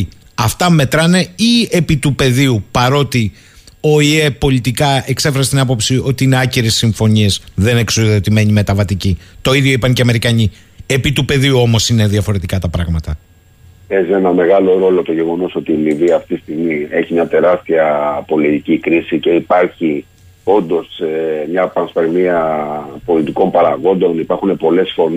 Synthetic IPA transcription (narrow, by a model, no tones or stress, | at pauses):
ɐft̪ɐme̞t̪ɾɐne̞iepit̪upe̞ðiupɐɾo̞t̪i | oie̞po̞lit̪ikɐe̞kse̞feɐset̪inɐpo̞psio̞t̪iine̞ɐciɾesːiɱfo̞ɲie̞sðe̞neksoðo̞t̪ime̞ɲime̞t̪ɐvɐt̪icit̪o̞iðʝjo̞ipɐɲceɐme̞ɾikɐɲi | e̞pit̪upe̞ðiuo̞mo̞sine̞ðiɐfo̞ɾe̞t̪ikɐt̪ɐpɾɐɣmɐt̪ɐ | pe̞zienɐme̞ɣɐlo̞ɾo̞lo̞t̪o̞ʝe̞ɣo̞no̞so̞t̪iːmiviɐːft̪ii̥st̪iɣmieçimɲɐt̪e̞ɾɐst̪iɐpo̞lit̪icikɾisice̞ipɐɾçi | o̞nd̪o̞semɲɐpɐnspeɾmiɐpo̞lit̪iko̞mpɐɾɐɣo̞nd̪o̞nipɐɾxune̞po̞le̞sfo̞n